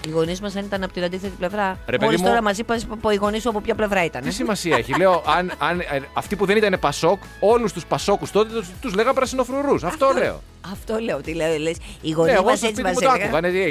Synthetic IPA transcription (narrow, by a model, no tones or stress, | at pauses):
iɣo̞nizmɐsɐnit̪ɐnɐpo̞t̪inɐnd̪iθet̪iple̞vɾɐɾeeoðismt̪o̞ɾɐmɐsipɐspoiɣo̞nisuɐpopçɐple̞vɾɐit̪ɐnsimɐsiɐeçileoʔɐnɐnɐft̪ipuðe̞nit̪ɐne̞pɐso̞k | o̞lust̪uspɐso̞kust̪o̞t̪et̪uzle̞ɣɐmpɾɐsino̞fɾuɾusɐft̪ole̞o̰ | ɐft̪o̞le̞ot̪ileoles | iɣo̞neieɣomɐset͡simɐsot̪oɐkvɐneie